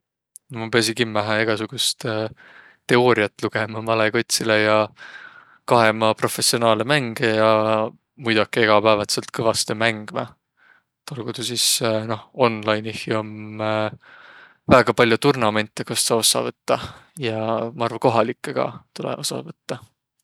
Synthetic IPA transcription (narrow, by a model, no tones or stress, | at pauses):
nomɑpe̞ɑs̬iŋkimːæɦɑeɡ̥ɑsuɡ̥ust̪ | t̪e̞o̞ːɾiɑt̪ːˑluɡ̥emɑmɑleko̞t̪ʲsilejɑ | kɑɦe̞mɑpro̞fe̞sionɑːlemæŋɡ̥ejɑ | mujd̪̥ɑkːieɡ̥ɑpæːvɑt̪selt̪̚kɤvɑst̪emæŋɡ̥mɑ̰ | t̪ɑlɡ̥ud̪usisno̞ho̞nlɑjnihiom | væːɡ̥ɑpɑlʲjot̪urnɑme̞nt̪ːˑekɑsːɑo̞sːɑ̰vɤt̪ːɑjɑmɑɑrvɑko̞ɦɑlikːeɡ̥ɑ̰t̪ulḛʔosɑ̰vɤt̪ːɑ